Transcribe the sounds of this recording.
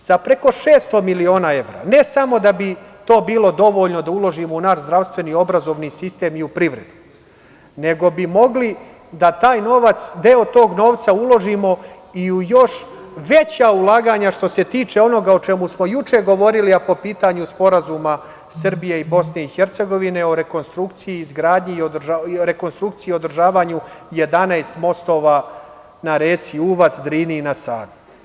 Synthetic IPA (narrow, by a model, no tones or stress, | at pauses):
sapɾe̞ko̞ʃe̞ːst̪omilio̞ːnae̞ʋɾa̰ːne̞samo̞d̪abit̪o̞ːbiːlˠo̞d̪o̞ʋo̞ːʎno̞d̪aulˠo̞ʒimounaːʃzd̪ɾaʋst̪ʋe̞nio̞bɾazo̞ʋniːsist̪e̞ːmiupɾiʋɾe̞̰d̪u | ne̞ɡo̞bimo̞ɡli | d̪at̪aːjno̞ːʋat̪sd̪eot̪o̞ːɡno̞ːʋt̪saulˠo̞ʒimo̞ | iujo̞ʃ | ʋe̞t͡ɕaulˠaːɡaːɲaʃt̪o̞se̞t̪iːt͡ʃe̞o̞no̞ɡao̞t͡ʃe̞musmo̞jut͡ʃe̞ɡo̞ʋo̞ɾiliapo̞piːt̪aɲuspo̞ɾazuma | sr̩bijeibo̞sne̞ixeɾt̪se̞ɡo̞ʋine̞o̞ɾe̞ko̞nst̪ɾukt̪sijiːzɡɾaːd̪ɲiod̪ʒaoɾe̞ko̞nst̪ɾuk̚t̪sijio̞d̪r̩ʒaːʋaɲuje̞d̪anaest̪mo̞st̪o̞ːʋa | naɾeːt̪siuʋat̪sd̪ɾiːninasaːd̪u